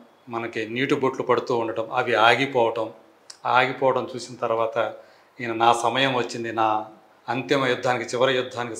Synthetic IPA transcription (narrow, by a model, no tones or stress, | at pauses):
mɐnɐkiniːʈubuːʈlupɐɽut̪uːuɳɖɐʈɐmɐʋiaːɡipɔːʋɐʈɐm | aːɡipɔːʋɐʈɐmt͡ʃuːsinɐt̪ɐɾʋaːt̪ɐ | ɐnɐnaːsɐmɐjɐmʋɐt͡ʃːind̪inaː | ɐnt̪ɐmɐjud̪ʱːaːnikit͡ʃiʋɐɾɐjud̪ʱːaːniki